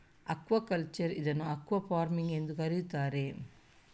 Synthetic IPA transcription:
ɐkʋɐkɐlt͡ʃɐɾiðɐnːuɐkːʋɐfaːɾmiŋɡend̪ukɐɾijut̪aːɾe

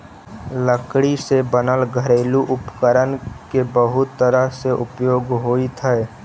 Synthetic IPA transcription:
ləkɽisebənəlɡʱəɾeːluʔʊpkəɾənkebəɦʊt̪ːəɾəɦseʔʊpjoːɡɦoːit̪ʰəj

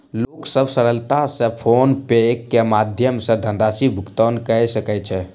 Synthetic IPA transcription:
loksəbsəɾəlt̪asə̃pʰonpekːemad̪ʱjəmsə̃d̪ʱənɾasibʱukt̪ənkəjsəkɛt͡ʃʰɛ

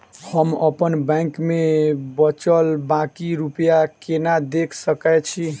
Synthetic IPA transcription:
həməpənbɛ̃ŋkmebət͡ʃəlbãkiɾupjakenad̪ekʰsəkɛt͡ʃʰi

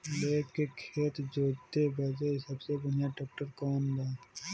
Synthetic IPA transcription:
leːkkekʰeːt̪d͡ʒoːt̪ebɛːd͡ʒesəbsebɐnjaɖɔːk̚ʈəɾkɔːnd̪aː

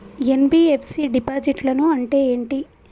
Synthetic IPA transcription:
enbiepʰsiɖipaːd͡ʒiʈlɐnuɐɳʈe̞ːeːɳʈi

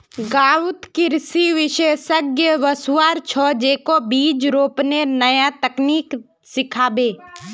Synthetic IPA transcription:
ɡaːʋʊt̪kɪɾsiʋɪʃeːsəɡjəʋəsʋaːɾt͡ʃʰɔːd͡ʒeːkobiːd͡ʒɾoːpnenəjat̪ɐkniːk | sɪkʰaːbeː

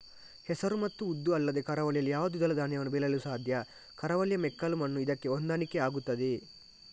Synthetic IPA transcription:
hɛsɐɾumɐt̪ːuːd̪ːuɐlːɐd̪e̞kɐɾɐʋɐljɐlːijaːʋɐd̪uid̪ɐlɐd̪aːnjɐʋɐnːubelɐlusaːd̪ʱjɐ | kɐɾɐʋɐljɐmɛkːɐlumɐnːuid̪ɐkːe̞ond̪aːnikːeaːɡut̪ːɐd̪e

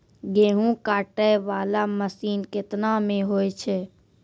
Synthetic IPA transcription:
ɡeːɦũkaːʈəjʋaːlaməsiːnkɪt̪namẽɦoːjt͡ʃʰɛː

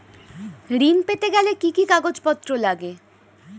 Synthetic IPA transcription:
ɾinpet̪eɡɛlekikikaɡod͡ʑpɔt̪ːɾolaɡe

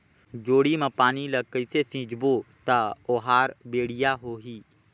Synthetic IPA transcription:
d͡ʒoːɽimãpaːnilɐkəɪsesĩːd͡ʒbot̪aoɦaːɾbeːɽɪjaɦoːɦiː

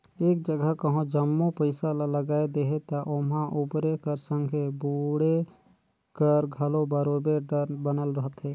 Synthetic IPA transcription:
eːk̚d͡ʒəɡəɦkəɦõd͡ʒəmːopəɪsalaləɡaːed̪eɦet̪aʔʊmãʔʊbɾekəɾsə̃ŋɡʱebuːɽe | kəɾɡʱəlobəɾoːbeɖəɾbənəlɾəɦət̪ɦɛː

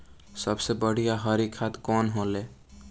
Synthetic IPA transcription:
sʌbsebʌɽ̤ʱijaɦʌɾikʰat̪kɔnɦole

